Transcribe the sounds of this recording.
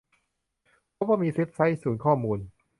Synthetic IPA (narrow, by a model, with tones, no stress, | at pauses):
pʰɔ˦˥waː˥˩miː˧si˦˥t̪̚sa˦˥jsuː˩˦nkʰɔː˥˩muː˧n